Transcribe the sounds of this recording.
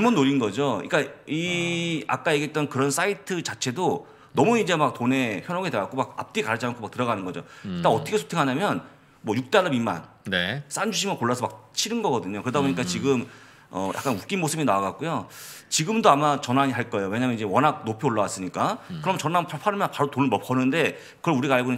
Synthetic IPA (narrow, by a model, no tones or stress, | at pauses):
ɯmunːoɾinɡʌd͡ʑoḭk͈aia̰k͈ajeɡet͈̚ʌnkɯɾʌns͈aitʰɯt͡ɕat͡ɕʰe̞do | nʌmuid͡ʑe̞mak̚tone̞çjʌnoɡeteɡak͈omak̚a̰p̚t͈ekaɾt͡ɕʰankomak̚tɯɾʌɣanɯnɡʌd͡ʑo̰t͈aʌtʰʌkʰesʰo̥tʰeŋɦaɲamjʌn | mwʌjuk̚t͈aɾʌbima̰n | nes͈and͡ʑuɕ̬ʰimɯkoɭːasʰʌmak̚t͡ɕʰiɾɯnɡʌɡʌdɯɲokɯɾɯdaboɲik͈at͡ɕiɡɯm | ʌ̰jʔa̰k͈anuk͈inmosʰɯbinawaɡak̚k͈ujot͡ɕiɡɯmdoamat͡ɕʌnaɲiɦaɭk͈ʌe̞jowe̞ɲaːmjʌnid͡ʑe̞wʌnɦak̚nopʰioɭːawas͈ɯɲik͈akɯɾʌmt͡ɕʌnampʰapʰaɾɯmpaɾotonɯɭmʌp͈̚ʰʌnɯnde̞ | kɯɾʌuɾiɡaːɭɡonɯ